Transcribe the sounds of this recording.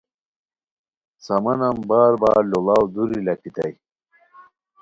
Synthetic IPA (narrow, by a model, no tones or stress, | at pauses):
sɐmɐnɐmbaːɾbaːɾlolawd̪uɾilɐkit̪ɐ̰j